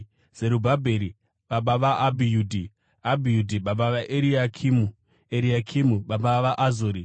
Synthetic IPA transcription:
z̥e̞ɾubʱabʱeɾi | ɓaɓaʋaʔabʱijuːdʱi | abʱijudʱiɓaɓaʋaʔeɾiakʰimu | eɾiakʰimuɓaɓaʋaʔazoːɾi

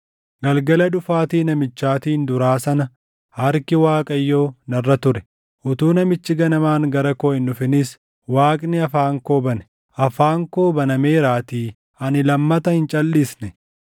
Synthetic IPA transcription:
ɡɐlɡɐlɐᶑʊfaːt̪iːnɐmɪt͡ʃːaːt̪iːnd̪ʊɾaːsɐnɐ | hɐɾkɪwaːkʼɐjːo̞ːnɐrːɐt̪ʊɾɛ̥ | ʔʊt̪uːnɐmɪt͡ʃːɪɡɐnɐmaːŋɡɐɾɐkoːɪnːʊfɪnɪs | waːkʼnɪɐfaːŋko̞ːbɐnɛ̥ | ʔɐfaːŋko̞ːbɐnɐmeːɾaːt̪iː | ɐnɪlɐmːɐt̪ɐhɪnt͡ʃʼɐlːiːsnɛ

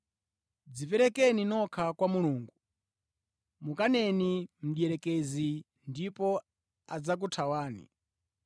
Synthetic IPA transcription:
d͡zipɛɾɛkɛninɔkʰakwamuluːŋɡu | mukanɛnim̩ɗjɛɾɛkɛzi | ndipɔ | ad͡zak̬utʰawaːnḭ

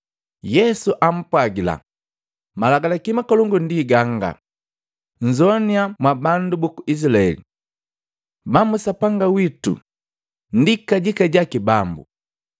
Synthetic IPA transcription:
jɛsuʔam̩pwaɡila̰ | malaɡalakimakɔlɔŋɡundiɡaŋɡa̰ | ɲ̩d͡ʒɔniamwabandubukuis̬ilaɛ̰lḭ | mamusapaŋɡawitṵ | n̩dikaɟikaɟakibambṵ

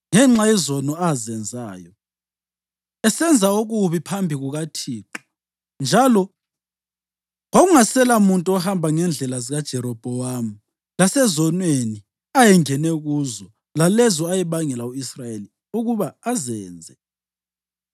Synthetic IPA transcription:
ŋɛŋ͡ǁajɛzɔnɔazɛnd͡zʱaːjɔ | ɛsɛnd͡zʱaoɣuβipʰambʱiɣuɣatʰiːǃɔ̥ | nd͡ʒʱalɔ | ŋoɣuŋasɛlamuntʼuɔhambʱaŋɛnd͡ɮʱɛlaziɣad̥ʒ̥ʱɛɾɔb̥ʱɔwamu | lasɛzɔnweni | ajɛŋɛnɛɣuːzɔ | lalɛzɔajɛβaŋɛlauisrajeli | uɣuβaːzɛːnd͡zʱɛ

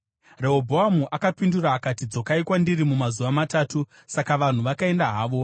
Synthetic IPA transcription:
re̞ɦobʱoɦamuʔakapinduɾaːkatid͡zo̞kaikwandiɾimumazuʋamataːtu | sakaʋan̤uʋakae̞ndaɦaːʋo̞

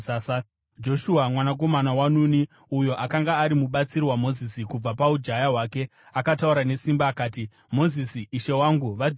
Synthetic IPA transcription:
d͡ʒo̞ʃuamwanak̬o̞manawanuni | ujo̞ʔakaŋɡaːɾimuɓat͡sirwamo̞zisikub͡vapaud͡ʒajaɦwaːke̞ | akatauɾane̞simbaːkaːti | mo̞zisiʔːʃe̞waːŋɡuʋa

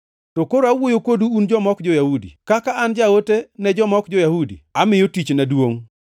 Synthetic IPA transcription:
tokoɾoawojokoduːnd͡ʒɔmɔkd͡ʒojahudḭkakaʔand͡ʒaotenɛd͡ʒɔmɔkd͡ʒɔjahudḭamɪjotit͡ʃnadwoŋ

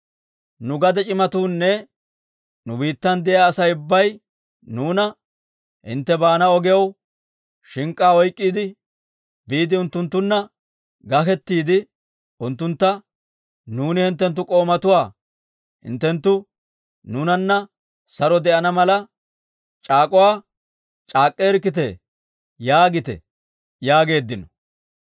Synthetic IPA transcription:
nʊɡɐd̪ɛt͡ʃʼɪmɐt̪uːnːɛ | nʊbiːt̪ːɐnd̪ɛjaːsɐjʊbːɐj | nuːnɐ | hɪ̰nt̪ːɛbaːnɐɔɡɛɐw | ʃɪŋkʼːaːɔjkʼːiːd̪ɪ | biːd̪ɪʊnt̪ːʊnt̪ːʊnːɐ | ɡɐkɛt̪ːiːd̪ɪ | ʊnt̪ːʊnt̪ːɐ | nuːnɪhɪnt̪ːɛnt̪ːʊkʼo̞ːmɐt̪ʊwaː | hɪ̰nt̪ːɛnt̪ːʊ | nuːnɐnːɐ | sɐɾɔd̪ɛʔɐnɐmɐlɐ | t͡ʃʼaːkʼʊwaː | t͡ʃʼaːkʼːeɛɾkːɪt̪ɛ | jaːɡɪt̪ɛ̰ | jaːɡe̞ːd̪ːɪnɔ

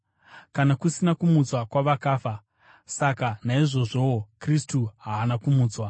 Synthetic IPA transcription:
kanakusinakumut͡swakwaʋakaːfa | sakanaiʐo̞ʐo̞wokristuɦaːnakumuːt͡swa

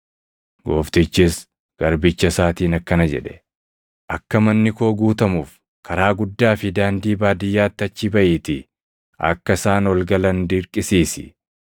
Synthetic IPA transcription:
ɡo̰ːft̪ɪt͡ʃːɪs | ɡ̥ɐɾbɪt͡ʃːɐsaːt̪iːnɐkːɐnɐd͡ʒɛ̰ᶑɛ̥ | ʔɐkːɐmɐnːɪko̞ːɡuːt̪ɐmuːf | kʰɐɾaːɡʊd̪ːaːfɪd̪aːnd̪iːbaːd̪ɪjːaːt̪ːɪɐt͡ʃːɪbɐʔiːt̪ɪ | ɐ̰kːɐsaːnɔlɡɐlɐnd̪ɪɾkʼɪsiːsɪ̥̰

